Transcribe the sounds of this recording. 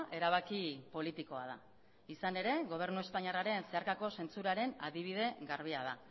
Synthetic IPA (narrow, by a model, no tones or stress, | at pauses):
ʔe̞ɾaβ̞akipo̞lit̪iko̞að̞a | isane̞ɾe̞ɣo̞β̞e̞ɾnue̞spaɲaraɾe̞nse̞aɾkako̞se̞nt͡suɾaɾe̞na̰ðiβ̞ið̞e̞ɡaɾβ̞iaða